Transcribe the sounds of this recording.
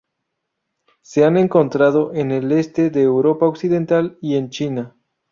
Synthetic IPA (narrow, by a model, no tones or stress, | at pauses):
se̞ane̞ŋko̞nt̪ɾað̞o̞ʔene̞le̞st̪e̞ðeːwɾo̞paoksiðe̞nt̪alie̞nt͡ʃina